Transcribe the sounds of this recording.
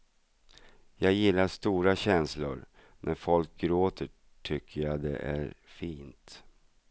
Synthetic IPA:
jɑːɡjɪlːaʂt̪uːɾaɕɛnslʊ̰ɾ | nʔæɾfɔlk̚ɡɾoːt̪ʰə | ʈʰʏkʰːəjad̪ɛ̰ʔæ̰ɾfiːnt̪

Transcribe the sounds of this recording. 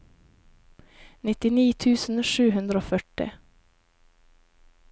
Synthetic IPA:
nɪt̪ːɪniːt̪ʰʉːsn̩ʂʉːɦɵnd̪ɾəoːfœʈːɪ̰

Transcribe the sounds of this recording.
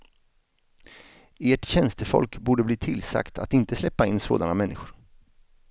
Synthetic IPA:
eːʈɕɛnst̪əfɔ̰lkbuːɖəbliːt̪ʰɪlsa̰kt̪ʰat̪ɪnt̪əslɛpːaɪnːso̰ːd̪anamɛnːɪɧʊɾ

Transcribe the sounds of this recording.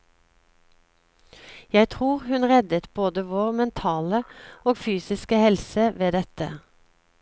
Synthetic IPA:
jæɪt̪ʰʁuːʁhʉnʁɛd̪ət̪boːd̪əʋoːʁmɛnt̪ʰɑːləoːɡfyːsɪskəhɛlsəʋeːd̪ɛt̪ə̰

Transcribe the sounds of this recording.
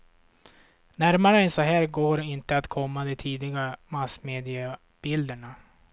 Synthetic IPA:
næɾmaɾəɛnsɔɦæːɾɡoːɾɪnt̪əat̪kʰɔmːad̪ɛt̪ʰiːd̪lɪɡamasmeːd̪ɪa | b̥ɪld̪əɳa

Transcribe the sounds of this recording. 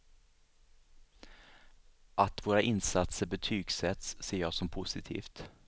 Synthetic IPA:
ʔat̪voːɾaʔɪnsat̪səɾbɛt̪ʰyːɡsɛt̪sːeːɾjɑːsɔmpʰʊsɪt̪ʰḭːft̪

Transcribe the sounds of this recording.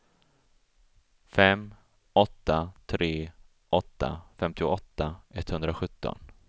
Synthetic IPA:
fɛm | ɔt̪ːat̪ʰɾeː | ʔɔt̪ːa̰fɛmt̪ɪʊɔt̪ːaʔɛt̪ːhɵnd̪ɾaɧɵt̪ːɔ̰n

